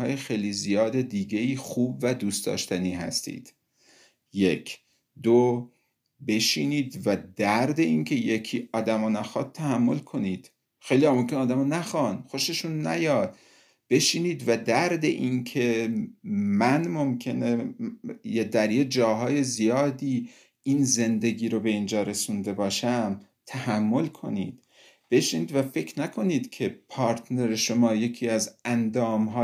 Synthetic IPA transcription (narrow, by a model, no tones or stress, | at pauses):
hɒːjexejlizijɒːd̪ed̪iːɡeiːxuːbvæd̪uːst̪d̪ɒ̰ːʃt̪æniːɦæ̰st̪ḭːd̪̥ | je̞kʰ | d̪o | be̞ʃiːniːd̪væd̪æɾd̪e̞incʰe̞jekʰiːʔɒːd̪æmɑːnæxɒːd̪̚t̪ʰæhæmːo̞̰lkʰo̞niːd̪̥ | xejlijɒmomkʰʲenɒːd̪æmɑnæxɒnxo̞ʃeʃuːnːæ̰jɒːd̪̥ | b̥e̞ʃiːniːd̪væd̪æɾd̪eʔinkʰe̞ | mænmo̞mcʰe̞ne | jed̪æɾjed͡ʒɒːɦɒːje̞zijɒːd̪iː | iːnze̞nd̪e̞ɡiːɾobe̞iːnd͡ʒɒːɾe̞sund̪e̞bɒːʃæm | t̪ʰæhæmːo̞lkʰo̞̰niːd̪̥ | b̥e̞ʃiniːd̪væfe̞cʰɾnækʰo̞niːd̪cʲʰe̞pʰɒːɾt̪ʰne̞ɾeʃo̞mɒːje̞cʰiːæzænd̪ɒːmɦɒː